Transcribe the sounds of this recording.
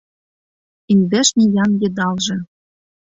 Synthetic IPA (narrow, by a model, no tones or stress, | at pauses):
inʲd̪eʃnʲijɑnjɤ̆d̪ɑlʒĕ